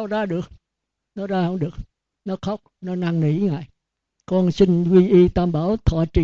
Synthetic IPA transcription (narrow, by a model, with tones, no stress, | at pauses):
zaː˧ɗɨ˨˩ək̚ | nɔ˨˦zaː˧hə̰˧˥wŋ͡mɗɨ˨˩ək̚ | nɔ˨˦xa˦˥wk͡p̚nɔ˨˦na˧ŋnḭ˨˧˦ŋa̰ː˧˨j | kɔ˧nsi˧ŋ̟zi˧ʔi˧t̪aː˧mɓaː˧˩wt̪ʰɔ̰˧˨˩t͡ɕḭ˧˨